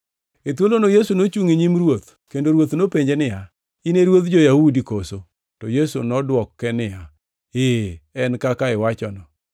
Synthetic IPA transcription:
et̪wolonojesunot͡ʃuŋiɲimɾwot̪ | kendoɾwot̪nopeɲd͡ʒenɪja | ɪneɾwot̪d͡ʒojahudikoso | tɔjesunɔdwɔkːɛnɪja | eɛnkakaɪwat͡ʃɔnɔ

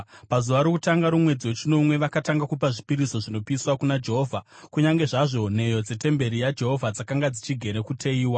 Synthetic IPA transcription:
pazuʋaɾokutaŋɡaɾumwe̞d͡ziwet͡ʃino̞mwe̞ʋakataŋɡakup̬aʐipiɾiso̞ʐino̞piswakunad͡ʒe̞ɦo̞ːvʱakuɲaŋɡe̞ʐaʐo̞ne̞jo̞d͡ze̞te̞mbe̞ɾijad͡ʒe̞ɦo̞vʱad͡zakaŋɡad͡zit͡ʃiɡʱe̞ɾe̞kutʰeiːwa

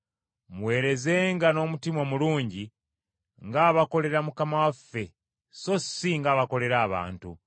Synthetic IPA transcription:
mwe̞ːɾe̞ze̞ːŋɡano̞ːmutimwomuluːɲɟi | ŋɡaːβako̞le̞ɾamukamawafːe̞ | so̞siŋɡaːβako̞le̞ɾaːβa̰ːntu

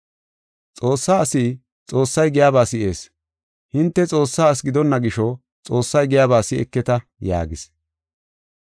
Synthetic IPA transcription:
t͡sʼo̞ːsːaːɐsiː | t͡sʼo̞ːsːɐjɡɪjaːbaːsɪʔeːs | hɪnt̪ːɛt͡sʼo̞ːsːaːɐs̬ɡɪd̪ɔnːɐɡɪʃɔ | t͡sʼo̞ːsːɐjɡɪjaːbaːsɪɛ̰kːɛt̪ɐ | ja̰ːɡɪs

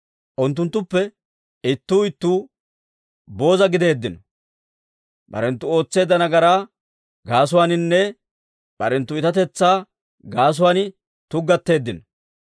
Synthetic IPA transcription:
ʔʊnt̪ːʊnt̪ːʊpːɛ | ɪt̪ːuːɪt̪ːuː | bo̞ːzɐɡɪd̪e̞ːd̪ːɪnɔ̥ | bɐ̰ɾɛnt̪ːʊo̞ːt͡sːe̞ːd̪ɐnɐɡɐɾaː | ɡaːs̬ʊwaːnɪnːɛ | b̥ɐ̰ɾɛnt̪ːʊɪt̪ɐt̪ɛt͡sːaː | ɡaːs̬ʊwaːnɪ | t̪ʊɡːɐt̪ːe̞ːd̪ːɪnɔ

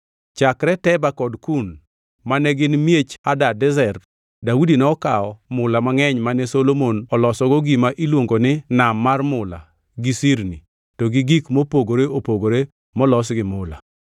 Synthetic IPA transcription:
t͡ʃakɾɛtɛbakɔdkun | manɛɡɪnmjet͡ʃadadɛzɛr | daudinɛɔkaɔmʊlamaŋɛɲmanɛsolomonɔlɔsɔɡɔɡimaʔilwoŋɡonɪnamːarmʊla̰ | ɡisiɾni | tɔɡɪɡikmopoɡoɾeopoɡoɾe | mɔlɔs̬ɡɪmʊla̰

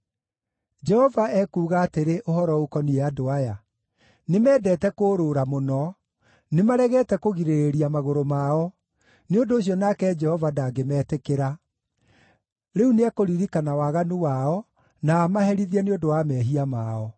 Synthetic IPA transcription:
d͡ʒɛhɔvaɛkuːɣaːteɾeʔohɔɾɔokɔniɛadoaja | nemɛːdɛːtɛkoːɾoːɾamonɔ | nemaɾɛɣɛːtɛkoɣiɾeeɾiamaɣoɾomaɔ | neondoːɕ̬jɔnakɛd͡ʒɛhɔvadaɡemɛːtekeɾa | ɾeuneakoɾiɾikanawaɣanuwaɔ | naːmahɛɾiðiɛneondowamɛːɦiamaɔ

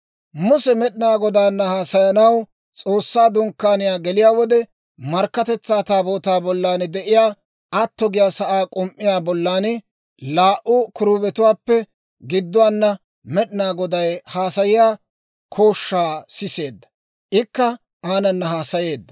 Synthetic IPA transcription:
mʊsɛmɛɗɪnaːɡɔd̪aːnːɐhaːsɐjɐnɐw | t͡sʼo̞ːsːaːd̪ʊŋkːaːnɪjaːɡɛlɪjaːwɔd̪ɛ | mɐɾkːɐt̪ɛt͡sːaːt̪aːboːt̪aːbɔlːaːnd̪ɛʔɪjaː | ɐt̪ːɔɡɪjaːsɐʔaːkʼʊmʔːɪjaːbɔlːaːnɪ | laːʔʊkʊɾʊbɛt̪ʊwaːpːɛ | ɡɪd̪ːʊwaːnːɐ | mɛɗɪnaːɡɔd̪ɐjhaːsɐjɪjaː | kʰo̞ːʃːaːsɪse̞ːd̪ːɐ̥ | ʔɪkːɐ | aːnɐnːɐɦaːsɐje̞ːd̪ːɐ

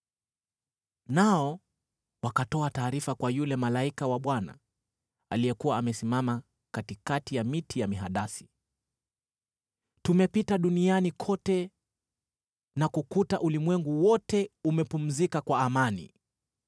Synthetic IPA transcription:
naɔ | wakatɔataːɾifakwajulɛmalaikawaɓwana̰ | a̰lijɛkuwaːmɛsimama | katikatijamitijamiɦaɗasi̥ | tumɛpitaɗunianikʰɔtɛ | nakukutaʔulimwɛŋɡuwɔtɛumɛpum̩zikakwaːmanḭ

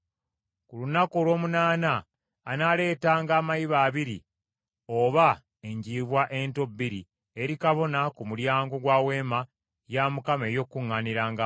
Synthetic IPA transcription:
kulunakolwo̞ːmunaːnaː | nale̞ːtaːŋɡaːmajiβaːβiɾḭ | o̞βa | e̞ɲɟiːβwaʔe̞nto̞bːiɾi | eɾikaβo̞nakumuljaːŋɡo̞ɡwaːwe̞ːma | jamukame̞jo̞kːuŋːaniɾaːŋɡa

